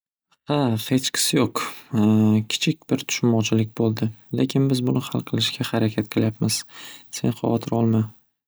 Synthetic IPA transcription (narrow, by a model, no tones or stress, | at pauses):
hafet͡ʃkʲsjoq | kʲʰɪ̥t͡ʃʰɪk̚ʲbɪɾt̪ʰʊ̥ʃmmːɒt͡ʃʰɪlɪk̚ʲbolˠd̪ɪlekʲʰɪnbɪzbʊnɪhalˠqʰɨlˠɪʃɡʲahaɾakʲʰat̪̚qʰɨlˠjapmɪz̥se̞̰nχɒ̰wɒt̪ʰɪɾɒlˠma